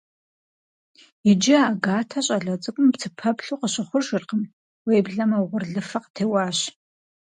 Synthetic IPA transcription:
jɪd͡ʒɪaːɡaːtʰɐɕʼɐɮɐt͡sʼɨkʷʼʊmpt͡sʰɨpʰɐpɬuːqəɕɪχʷʊrʒʷɪrqəm | wejbɮɐmɐwʁʷʊrɮɨfɐqtʰeːwɑːɕ

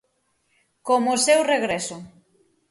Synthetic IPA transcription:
komosewreɣɾesʊ

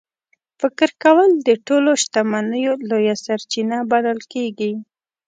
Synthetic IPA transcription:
fɪkɪɾkawəld̪əʈoloʃt̪amanəjolojasaɾt͡ʃinabalalkeɡi

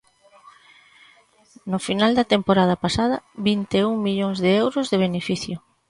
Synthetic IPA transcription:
nʊfinald̪ɐt̪empoɾað̞ɐpasað̞ɐβint̪euŋmiʎoŋzðeɛwɾʊzðeβ̞enefiθjʊ

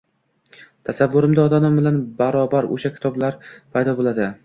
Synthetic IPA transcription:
t̪ʰasavːʊɾɪmd̪aɒd̪amɪmbɪlanbaɾɒbaɾo̰ʃakʲʰɪ̥t̪ʰɒblaɾpʰajd̪ɒbolˠad̪ɪ

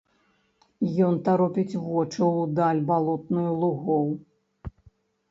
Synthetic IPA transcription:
jɔnt̪aɾɔpʲit͡sʲvɔt͡ʂɐwd̪alʲbalˠɔt̪̚nujulˠuɣɔw

